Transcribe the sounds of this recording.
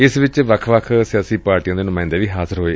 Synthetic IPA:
ɪsʋɪt͡ʃʋəkʰʋəkʰsɪjaːsiːpaːɾʈiãːd̪eːnʊmãːɪ̃nd̪eːʋiːɦaːzəɾɦoːeː

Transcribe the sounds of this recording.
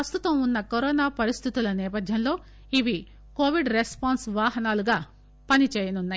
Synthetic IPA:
ɐst̪ut̪ɐmunːɐkoɾɔːnaːpɐɾist̪ʰit̪ulɐnɛːpɐd̪ʱjɐnlo̞ː | iʋi | koːʋiɖɾespaːnsʋaːɦɐnaːluɡaː | pɐnit͡ʃɛːjɐnunːaː

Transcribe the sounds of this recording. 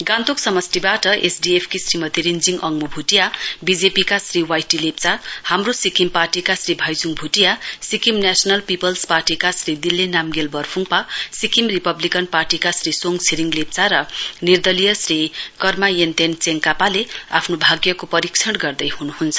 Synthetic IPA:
ɡãnt̪oksʌmʌsʈibaʈʌʔesɖiepʰkisrimʌt̪iɾind͡ziŋʌŋmubʱuʈijabid͡zepikasriwajʈilep̚t͡sahamrosikimparʈikasribʱʌjd͡zuŋbʱuʈijasikimnasʌnʌlpipʌlsparʈikasrid̪ilːenamɡelbʌrpʰuŋpasikimripʌblikʌnparʈikasrisoŋsʰiɾiŋlep̚t͡saɾʌnird̪ʌlijʌsrikʌrmajent̪ent͡seŋkapalea̰pʰnobʱaɡjʌkopʌɾikt͡sʰʌɽɡʌrd̪ʌjhunuɦunt͡sʰʌ̥

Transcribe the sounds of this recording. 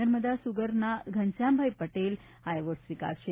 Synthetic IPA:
əɾməd̪asuɡəɾnaɡʱənsjãmbʱajpəʈel | ajʋəʈsʋika̰ɾʃe

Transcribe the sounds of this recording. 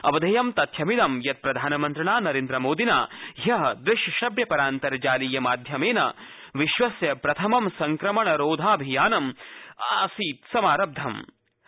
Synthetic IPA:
ɐʋɐd̪ʱɐjɐmt̪ɐt̪ʰjɐmid̪ɐmjɐt̪̚pɾɐd̪ʱaːnɐmɐnt̪ɾɐɳaːnɐɾeːnd̪ɾɐmoːd̪ina̰ːɦɐɦɐd̪ɾɪʃjɐʃɐbjɐpɐɾaːnt̪ɐɾd͡ʒaːlijɐmaːd̪ʱjɐmeːnɐ̰ | ʋiʃʋɐsjɐpɾɐt̪ʰɐmɐmsɐŋkɾɐmɐɳɐɾoːd̪ʱaːɐbʱijaːnɐmaːsiːt̪sɐmaːɾɐb̚d̪ʱɐm

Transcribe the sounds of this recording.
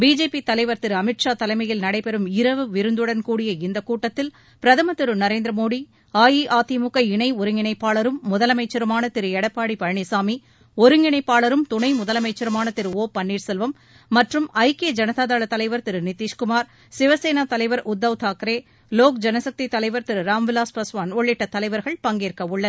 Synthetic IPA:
biːd͡ʒeːpit̪ɐlɐɪʋɐɾt̪ɪɾɯɐmɪʈʂaːt̪ɐlɐɪmɐjɪlnɐɽɐɪpɛɾɯmɪɾɐʋɯʋɪɾɯnd̪ɯɽɐnkuːɽɪjɐɪnd̪ɐkuːʈːɐt̪ːɪl | pɪɾɐðɐmɐt̪ɪɾɯnɐɾeːnd̪ɾɐmoːɽi | aːjiʔaːt̪imʊkːɐɪɳɐɪɔɾɯŋɡɪɳɐɪpːaːɭɐɾɯmːʊðɐlɐmɐɪt͡ʃːɐɾɯmaːnɐt̪ɪɾɯɛɽɐpːaːɽipɐɻɐɳisaːmi | ɔɾɯŋɪɳɐɪpːaːɭɐɾɯmt̪ʊɳɐɪmʊðɐlɐmɐɪt͡ʃːɐɾɯmaːnɐt̪ɪɾɯoːpɐɳːiːɾsɛlʋɐmː | ɐʈrɯmɐɪkeːd͡ʒɐnɐðaːðaːɭɐt̪ːɐlɐɪʋɐɾt̪ɪɾɯnɪt̪iːʂkʊmaːɾ | sɪʋɐseːnaːt̪ɐlɐɪʋɐɾʊd̪ːɐʋt̪ʰaːkɾeː | loːkd͡ʒɛnɐsɐk̚t̪it̪ːɐlɐɪʋɐɾt̪ɪɾɯɾaːmʋɪlaːspɐsʋaːnɔɭːɪʈːɐt̪ːɐlɐɪʋɐɾɣɐɭpɐŋɡeːɾkɐʊɭːɐ

